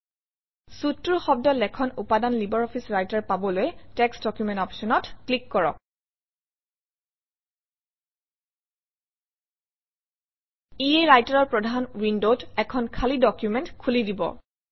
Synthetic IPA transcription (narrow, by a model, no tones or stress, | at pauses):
sutːɹuxɔb̚dɔlɛkʰɔnupadanlibɔɹɔpʰisɹajtaɹpabɔlojɛtɛksdɔkjumɛ̃ntɔpsɔnɔtklikːɔɹɔ̰k̚ | iejɹajtaɹɔɹpɹɔdʱanɹindotɛkʰɔnkʰalidɔkjumɛntkʰulidibɔ̰